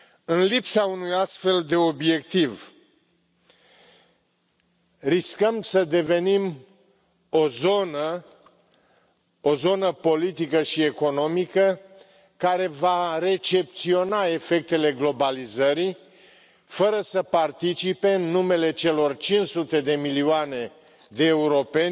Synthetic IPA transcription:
ɨnlipsaunujast̪fe̞ld̪e̞o̞bje̞kt̪iv | riskəmsəd̪e̞ve̞nim | o̞zo̞nə | o̞zo̞nəpo̞lit̪ikəʃie̞ko̞no̞mikə | kaɾe̞vaɾe̞t͡ʃe̞p̚t̪sio̞nae̞fe̞k̚t̪e̞le̞ɡlo̞balizəɾi | fəɾəsəpart̪it͡ʃipe̞ɨnːume̞le̞t͡ʃe̞lo̞rt͡ʃinʃsut̪e̞d̪e̞milioane̞ | d̪e̞ːuɾo̞pe̞n

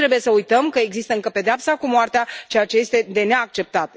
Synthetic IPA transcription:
ɾebuje̞səujt̪əmkəe̞ɡzist̪əɨŋkəpe̞d̪eapsakumoart̪eat͡ʃejat͡ʃe̞je̞st̪e̞d̪e̞neak̚t͡ʃe̞p̚t̪at̪

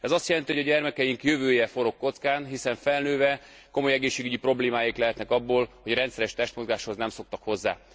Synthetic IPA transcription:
ɛzɒst̪jɛlɛnt̪ihoɟɒɟɛrmɛkɛjiŋkjøvøːjɛfo̞ɾo̞kːo̞t̪skaːnɦisɛɱfɛlnøːvɛ | ko̞mo̞jɛɡeːʃːeːɡyɟipro̞bleːmaːjiklɛɦɛt̪nɛkɒbːoːlho̞ɟrɾɛnt̪sɛɾɛʃt̪ɛʃt̪mo̞zɡaːʃho̞znɛmso̞k̚t̪ɒkho̞zːa̰ː

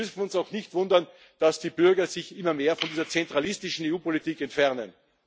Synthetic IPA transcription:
ʏfn̩ʊnsaʊxnɪçtv̥ʊndɐn | d̥asd̥iːb̥ʏɐɡɐzɪçɪmɐmeːɐfɔndiːzɐt͡sɛntʁ̥alɪstɪʃn̩eːuːpolitiːkɛntfɛʁnə̰n

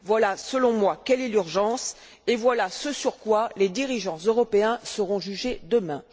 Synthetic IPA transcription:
vwalasəlɔ̃mwakɛlɛlyʁʒɑ̃s | evwalasəsyʁkwaled̪iʁiʒɑ̃zøʁɔpeɛ̃səʁɔ̃ʒyʒed̪əmɛ̃

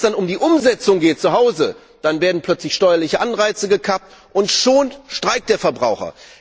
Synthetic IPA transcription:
sd̥anʊmdiːʔʊmzɛt͡sʊŋɡeːt̚t͡suɦaʊzə | d̥anveːɐdn̩pʰl̥œt͡slɪçʃtɔʏɐlɪçəʔanʁaɪt͡səɡəkʰap̚t | ʔʊntʃoːnʃtʁ̥aɪk̚td̥eːɐfɛɐbʁa̰ʊxɐ̰

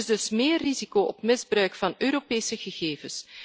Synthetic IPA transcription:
ɪzdɵsmeːrːizikoːʔɔpmɪzbrœɥkfɑnøːɾopeːsəɣəɣeːvəs

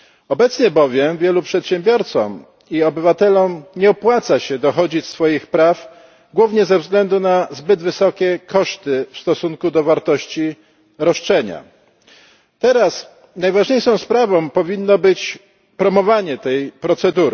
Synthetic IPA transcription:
ɔbɛt̪sɲɛbɔvʲjɛmvʲjɛlupʂɛt̪ɕɛmbʲjɔɾt̪sɔ̰m | iɔbɘvat̪ɛlɔmɲɛɔpwat̪saɕɛd̪ɔxɔd͡ʑisfɔjixpɾaf | ɡwuvɲɛzɛvzɡlɛnd̪unazbɘd̪vɘsɔkʲɛkɔʂt̪ɘfst̪ɔsuŋkud̪ɔvaɾt̪ɔɕt͡ɕi | ɾɔʂt͡ʂɛɲa̰ | t̪ɛɾas | najvaʐɲejʂɔ̃w̃spɾavɔ̃w̃pɔvʲinːɔbɘt͡ɕ | pɾɔmɔvaɲɛt̪ɛjpɾɔt̪sɛd̪uɾ

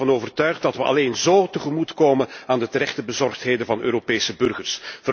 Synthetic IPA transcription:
ɑnoːvərtœɥχt̚dɑtʋəʔɑ̰leːnzoːtəχəmutkoːmənaːndətəɾɛχtəbəzɔrχtɦeːjdəvɑnøːɾopeːsəbɵrɣərsvər

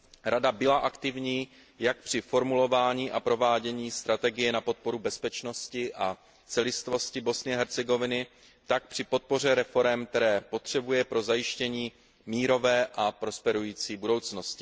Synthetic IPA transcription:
ɾadabɪlaʔakt̪ɪvɲiː | jak̚pr̝̥ɪfo̞ɾmulo̞vaːɲiːʔapɾo̞vaːɟɛɲiːst̪ɾat̪ɛɡɪjɛnapo̞t̪̚po̞ɾubɛspɛt͡ʃno̞scɪʔa | t͡sɛlɪst̪vo̞scɪbo̞snɪɛɦɛɾt͡sɛɡo̞vɪnɪ | t̪ak̚pr̝̥ɪpo̞t̪̚po̞r̝ɛɾɛfo̞ɾɛmk̚t̪ɛɾɛːpo̞t̪r̝̥ɛbujɛpɾo̞zajɪʃcɛɲiː | miːɾo̞vɛːʔapɾo̞spɛɾujiːt͡siːbudo̞wt͡sno̞scɪ

